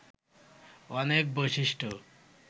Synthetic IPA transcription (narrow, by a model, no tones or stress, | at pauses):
ɔnek̚boʃiʃʈo